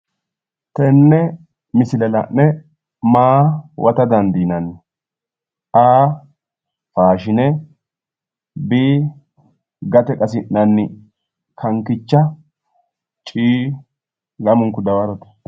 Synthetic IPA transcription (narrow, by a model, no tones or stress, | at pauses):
t̪ɛnːɛ | mɪsɪlɛlɐ̰ʔɛ | maːwʔɐt̪ɐd̪ɐnd̪iːnɐnːɪ | ʔaː | faːʃɪnɛ | biː | ɡɐt̪ɛkʼɐsɪʔnɐnːɪ | kʰɐŋkɪt͡ʃːɐ | t͡ʃʼiː | lɐmʊŋkʊd̪ɐwɐɾɔt̪ɛ̥